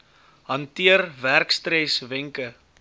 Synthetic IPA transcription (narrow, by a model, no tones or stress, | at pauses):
ɦɐntiərværkstɾɛsvɛŋkə